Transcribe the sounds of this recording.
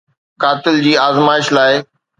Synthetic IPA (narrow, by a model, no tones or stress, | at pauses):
kaːt̪ɪld͡ʑiːaːzmaːɪʃlaːɪ